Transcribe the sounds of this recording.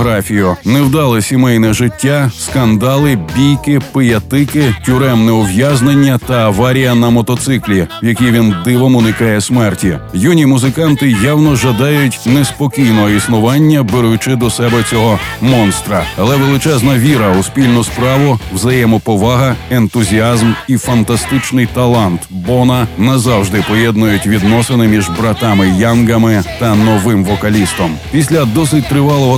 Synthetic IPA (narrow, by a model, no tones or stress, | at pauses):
ɦɾɑfʲijʊnɛwd̪ɑlˠɪsʲimɛjnɛʒɪtʲːaskɐnd̪ɑlˠɪbʲijkɪpɪjɐt̪ɪkɪtʲʊɾɛmnɛɔwjaznenʲːɐt̪ɐːʋɑɾʲijɐnɐmɔt̪ɔt̪sɪklʲijɐkʲijʋʲind̪ɪʋɔmʊnɪkɑjɛsmɛrtʲijunʲimʊzɪkɑnt̪ɪjawnɔʒɐd̪ɑjʊtʲnɛspɔkʲijnɔɦɔisnʊʋɑnʲːɐbeɾʊjʊt͡ʃɪd̪ɔsɛbɛt͡sʲɔɦɔmɔnst̪ɾɐɐlˠɛʋelˠɪt͡ʃɛznɐʋʲiɾɐʊspʲilʲnʊspɾɑʋʊwzɐjɛmɔpɔʋɑɦɐent̪ʊzʲiɑzmifɐnt̪ɐst̪ɪt͡ʃnɪjt̪ɐlˠɑnt̪bɔnɐnɐzɑwʒd̪ɪpɔjɛd̪nʊjʊtʲʋʲid̪nɔsɪnɪmʲiʒbɾɐt̪ɑmɪjanɡɐmɪt̪ɐnɔʋɪmʋɔkɐlʲist̪ɔmpʲis̬ʲlʲɐd̪ɔsɪt̚ʲt̪ɾɪʋɑlˠɔɦɔ